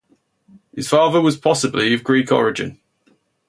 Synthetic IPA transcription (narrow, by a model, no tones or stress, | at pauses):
hɪz̥fɑːðəwɒz̥pʰɒsəbliəvɡɹiˑkʰɒ̰ɹɪd͡ʒɪ̰̃n